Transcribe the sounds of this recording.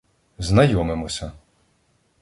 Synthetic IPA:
znɐjɔmemɔsʲɐ

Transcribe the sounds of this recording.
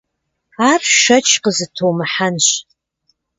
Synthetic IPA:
aːrʃɐt͡ʃʰqəzɨtʰowmɨħanɕ

